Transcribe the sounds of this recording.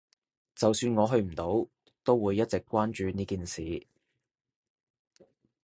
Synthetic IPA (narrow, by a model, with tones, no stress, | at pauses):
t͡sɐ˨wsyː˧nŋɔː˨˧ɦɵ˧ɥm̩˨˩t̪o˨˥w | t̪o˥wwuː˨˧jːɐ˥t̚t͡sɪ˨kːʷaː˥nt͡ʃyː˨˧niː˥kiː˨nsiː˨